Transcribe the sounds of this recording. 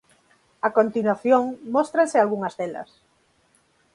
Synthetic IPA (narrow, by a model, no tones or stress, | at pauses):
akont̪inwaθjoŋmɔst̪ɾansɪalɣuŋɐzðɛlɐ̰s